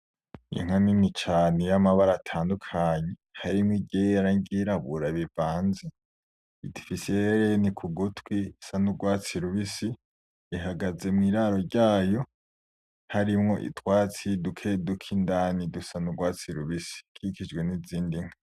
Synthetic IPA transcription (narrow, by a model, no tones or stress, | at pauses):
jḭŋ̥aninnit͡ʃaːnejamaβaɾatʰaːndukʰaːɲehaɾimŋiɟejjaɾaŋɡiɾaβuɾaβivaːnze | idifiseeɾenikʰuɡutwisanuɡwaːt͡siɾuβisiː | ɦaɡaze̞mŋiːɾaɾo̞ɾɟaːjo̞ | haɾimŋo̞ʔḭtʰwaːt͡sidukʰedukʰindaːnidusanuɡwaːt͡siɾuβisi̥kʰikid͡ʒɡwe̞niziːndiŋ̥ha